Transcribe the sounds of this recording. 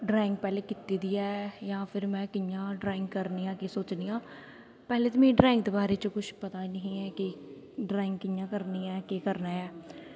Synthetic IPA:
ɖɾaːɪ̃ŋɡ̚pɛːleːkɪt̪iːd̪iːɛːjãːpʰɪɾmɛ̃ːkɪjãːɖɾaːɪ̃ŋɡkəɾniːãːkesoːt͡ʃniːãː | pɛːleːt̪oːmẽːɖɾaːɪ̃ŋɡd̪eːbaːɾeːt͡ʃokʊʃpət̪aːiːnəɦĩːɛːki | ɖɾaːɪ̃ŋɡkɪjãːkəɾniːɛːkeːkəɾnaːɛː

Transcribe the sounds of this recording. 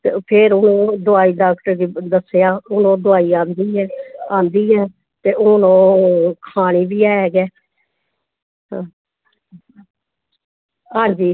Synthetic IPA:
t̪epʰeɾʊnõːd̪ʊaːiːdaːkʈəɾd̪id̪əsːjaːʊnõːd̪ʊaːiːãːnd̪iːɦɛːãːnd̪iːɦɛː | t̪eːʔʊnõːkʰaːñiːbiːaːɛːɡɛː | ɦãːɲd͡ʒiː

